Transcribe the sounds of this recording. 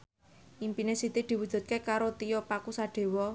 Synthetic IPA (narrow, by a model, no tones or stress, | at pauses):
ʔimpinesit̪id̪̥i̤wud̥ʒ̥ṳt̪̚kekaɾot̪ijɔpakusaɖ̪̥e̤wɔ